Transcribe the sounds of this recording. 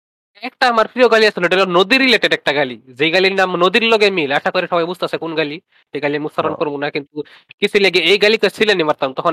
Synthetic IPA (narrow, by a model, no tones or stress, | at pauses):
ek̚ʈaːmaɾpɾijoɡaliasʰɔliɖelɔnɔd̪iɾileʈeɖek̚ʈaɡalid͡zejɡalinamnod̪iɾlɔɡemilaʃakɔɾisɔbajbud͡zʱt̪asekunɡali | eɡaliamusaɾɔnkɔɾbunakint̪u | kisʰileɡeejɡalikɔsilenimaɾt̪aumt̪ɔkʰɔn